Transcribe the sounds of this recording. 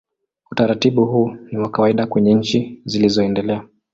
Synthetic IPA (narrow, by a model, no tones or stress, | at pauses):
utaɾatiɓuhuːniwakawaiɗakwɛɲɛɲ̩t͡ʃizilizɔɛndɛlɛa